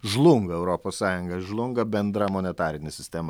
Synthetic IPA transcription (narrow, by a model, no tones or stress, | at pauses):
ʒlˠʊŋɡɐɛʊɾoːpoːssɑːjʊŋɡɐʒlˠʊŋɡɐbʲɛnd̪ɾɐmoːnʲɛt̪ɑːɾʲɪnʲɪsʲɪsʲt̪ʲɛm